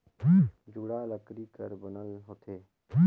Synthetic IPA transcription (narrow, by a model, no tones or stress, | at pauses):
d͡ʒuːɽaːləkɾiːkəɾbənəlɦot̪ʰeː